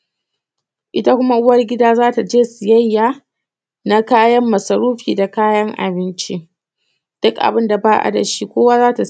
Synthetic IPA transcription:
ʔɪ˦ta˦kʷʊ˦ma˦ʔʊ˦wɐ˦rɡʲɪ˦daː˦zaː˦ta˨d͡ʒeː˦sɪ˨jɐ˦jːaː˨ | na˦kaː˦jɐ˦mːɐ˨sɐ˨ɾuː˦ɸiː˨da˨kaː˦jɐ˦ŋʔa̰˨bɪ˦nt͡ʃi˦ | d̥ʊ˦kʔa̰˨bɪ˦nda˨baː˦ʔa̰˦˨da̰˨ʃi˦kʷoː˦waː˦zaː˦ta˨

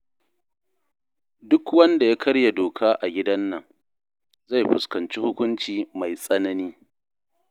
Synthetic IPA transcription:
dʊ˦kwɐ˦nda˨ja˦kʰɐ˦ɽja˨doː˨kʰaː˦ʔa˨ɡʲɪ˦dɐ˦nːɐ˨ŋ | za˦˨jɸʊ˨skɐ˨nt͡ʃi˦hʊ˦kʷʊ˦nt͡ʃiː˨ma˨jsʼɐ˦nɐ˦niː˦

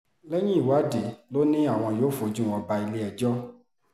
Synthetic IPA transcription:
lɛ˦j̃ĩ˦i˦˨wa˨˦de˨lo˦nĩ˦a˦˨w̃ɔ̃˧joː˨˦˨fo˧˦d͡ʒũ˦˨wɔ̃˧ba˧i˧le˦ɛ˦˨d͡ʒɔ˦

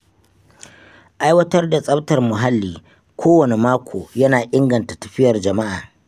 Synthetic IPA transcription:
ʔa˦jwɐ˦tɐ˦rda˨sʼɐ˦btɐ˨rmʊ˨ɦa˦lːiː˨ | kʷʰoː˦wɐ˨ne˨maː˦kʷoː˨jɐ˦naː˨ʔɪ˦ŋɡɐ˨nta˨tɐ̥˨ɸɪ˦jɐ˨rd͡ʒɐ˨ma˦ʔaː˨

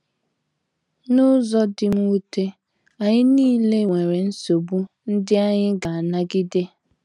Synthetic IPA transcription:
nʊ˦zɔ˦dɪ˨m̩˦u˦te˦ | a˨ɲɪ˦niː˦le˦ŋʷe˨ɾe˨n̩˦so˨bu˦ | n̩˦dɪ˦a˦ɲɪ˦ɡa˨a˨na˦ɡɪ˦de˦

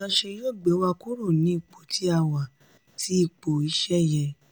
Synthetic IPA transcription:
ã˧ʃe˧joː˦˨ɡ͡bɛ˨˦wa˧ku˦ɾo˦˨nĩ˨˦i˦˨k͡po˨tʰi˨˦a˧˨wa˨ | tʰi˨˦i˧˨k͡po˨i˨˧˦ʃɛ˦jɛ̃˧

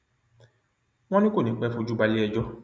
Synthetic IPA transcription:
w̃ɔ̃˦nĩ˦ko˦˨nĩ˨˦k͡pɛ˦˧˦fo˧d͡ʒu˦ba˧li˦ɛ˧d͡ʒɔ˦

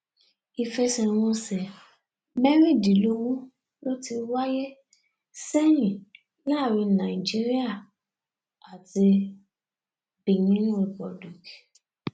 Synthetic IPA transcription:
i˧fɛ˧sɛ˨w̃ɔ̃˧sɛ˨ | mɛ˦ɾi˦˨di˨˦lo˧wu˦ | lo˦ti˧wa˦jɛ˦ | sɛ˦jĩ˨ | la˦˨ɾi˧nã˨i˨d͡ʒi˦ɾi˦a˦˨ | a˨ti˧ | be˨nĩ˨˦ñ˦ɾi˨pɔ˨du˨ki̥˨

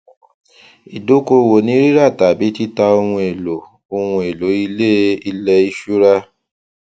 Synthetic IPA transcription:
i˨do˨˦ko˧wo˨nĩ˨˦ɾi˦ɾa˦˨ta˨bi˨˦ti˦ta˧o˧w̃ũ˧e˨lo˨ | o˧wũ˧e˨lo˨˦i˧le˦i˧lɛ˧i˧ʃu˦ɾa˦

